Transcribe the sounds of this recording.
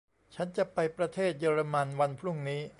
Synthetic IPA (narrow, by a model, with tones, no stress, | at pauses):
t͡ɕʰa˦˥nt͡ɕa˨˩ʔpa˧jpɾa˧t̪ʰeː˥˩t̪̚jɤː˧ɾa˧ma˧nwa˧npʰɾu˥˩ŋniː˦˥